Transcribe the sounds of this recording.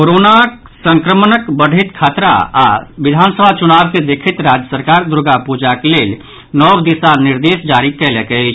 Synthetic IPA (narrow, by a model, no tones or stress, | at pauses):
koɾonak | sə̃ŋkɾəmnəkbəɽ̤ʱit̪kʰat̪ɾa̰aʋɪd̪ʱansəbʱat͡ʃunabsed̪ekʰit̪ɾad͡ʒjəsəɾkaɾd̪uɾɡapud͡ʒakeleːl | nɔwd̪isanɪɾd̪eːsd͡ʒaɾikɛlɛkɛt͡ʃʰ